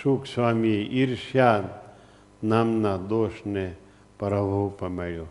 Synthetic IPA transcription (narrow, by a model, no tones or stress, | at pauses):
ʃuːkʰswaːmieʔiɾʃjaːd̪ | naːmnad̪oːʃne | pɐɾɐbʱupɐmeɭjoː